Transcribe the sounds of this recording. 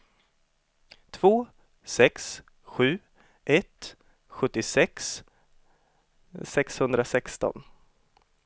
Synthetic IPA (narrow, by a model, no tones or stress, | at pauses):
t̪ʰv̥oː | sɛks | ɧʉ̟ː | ʔɛt̪ | ɧɵt̪ːɪsɛks | sɛkshɵnd̪ɾasɛkst̪ɔ̰n